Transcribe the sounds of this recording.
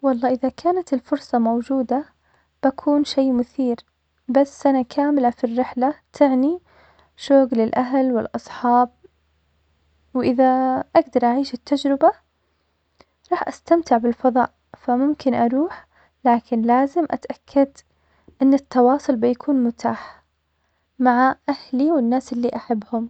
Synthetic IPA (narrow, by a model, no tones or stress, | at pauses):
wɑlˤːɑːʔɪðakʰaːnat̪ɪlfʊɾsˤɑmowd͡ʒuːd̪a | b̥akʰuːnʃeːmʊθiːɾ | basːʔanakʰaːmɪlafirːɪħlat̪ʰɪʕni | ʃoːɡlɪlʔaɦlwɪlʔɑsˤħɑːb̚ | wʔɪðaʔaɡd̪ɑɾˤʔaʕiːʃɪt̪ːad͡ʒɾɪba | ɾˤɑːħʔast̪amt̪ɪʕbɪlfɑðˤɑ̰ːʔ | famʊmkɪnʔɑɾˤuːħ | laːkʰɪnlaːzɪmʔat̪ʔakʰːad̪ | ʔɪnːɪt̪ːɑwɑːsˤʊlbɪjakʰuːnmʊt̪ʰaːħ | maʕaʔahliwɪnːaːsɪlːiʔaħabːhʊm